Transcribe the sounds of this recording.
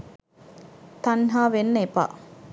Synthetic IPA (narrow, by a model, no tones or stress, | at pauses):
t̪ɐnɦaːʋenːəepa̰ː